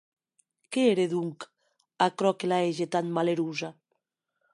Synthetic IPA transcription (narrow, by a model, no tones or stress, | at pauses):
keeɾeðuŋk | akɾɔkelaeʒet̪anmaleɾuza